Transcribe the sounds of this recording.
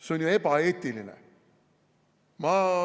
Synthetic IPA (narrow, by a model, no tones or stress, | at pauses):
seonʲjuepɑeːt̪ːilinɛ̰ | mɑ